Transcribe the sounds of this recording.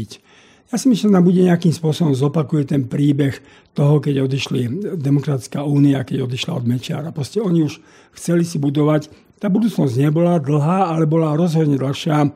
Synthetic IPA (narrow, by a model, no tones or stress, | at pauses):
c | jaːsimislɛnambuɟɛɲɛakiːmspʊɔsɔbɔmzɔpakujɛt̪ɛnpɾiːbɛx | t̪ɔɦɔkɛɟɔd̪iʃlid̪ɛmɔkɾat̪it͡skauːniakɛɟɔd̪iʃla̰ɔd̪mɛt͡ʃɪa̰ːɾapɾɔscɛɔɲiuʃ | xt͡sɛlisibud̪ɔʋac | t̪aːbud̪uːt͡snɔzɟɲɛbɔlad̪l̩ɦaːalɛbɔlaɾɔzɦɔd̪ɲɛd̪l̩xʃɪaː